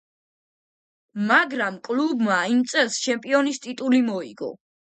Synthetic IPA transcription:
maɡɾamkʼlubmaimt̪sʼɛlˠst͡ʃʰɛmpʼiɔnist̪ʼit̪ʼulimɔḭɡɔ̰

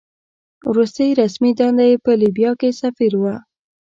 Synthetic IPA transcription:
wɾust̪əjɾasmid̪ɑnd̪ajpəlibjɑkesafiɾwə

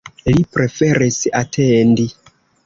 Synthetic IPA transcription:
lipɾe̞fe̞ɾisatʰendi

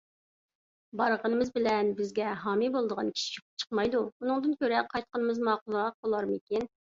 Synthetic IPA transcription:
bɑɾʁənɨmɨzbɪlɛnbɪzɡʲɛɦɑːmibolˠd̪əʁɑnkʲʰi̥ʃi̥kʰʲoqʰʊp̚t͡ʃʰə̥qmɑjd̪uunɨŋd̪ɨnkʲøɾɛqʰɑjt̪̚qənɨmɨzmɑqulˠʁɑq̚bolˠɑɾmɨkʲin

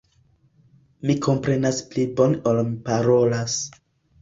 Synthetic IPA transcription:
miko̞mpɾe̞nasplibo̞nolmipaɾo̞las

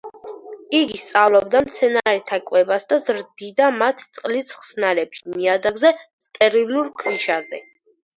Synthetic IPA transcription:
iɡist̪sʼavlˠɔb̚d̪amt̪sʰɛnaɾɛt̪ʰakʼwɛbasd̪azɾd̪id̪amat̪ʰt̪sʼqʼlisχsnalɛpʃiniad̪aɡzɛt̪sʰʼt̪ʼɛɾiluɾkʰviʃazɛ̰

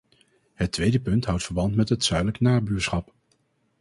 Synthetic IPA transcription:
ɦətʋejdəpɵntɦʌwtfəɹbɑntmɛtɦətsœɥdələknaːbyːɹsχɑp

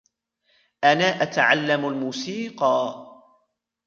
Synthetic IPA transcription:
ʔanaːʔat̪aʕalːamalmuːsiːqɑː

